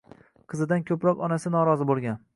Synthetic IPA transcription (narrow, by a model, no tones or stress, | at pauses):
qʰɨzɪd̪ankʲʰɵpɾɒqɒnasɪnɒɾɒzɪbolˠɡʲan